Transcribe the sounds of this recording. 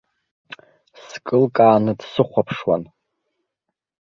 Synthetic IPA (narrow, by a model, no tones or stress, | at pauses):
skʼɨlkʼaːnɨdsɨχʷapʰʂwa̰n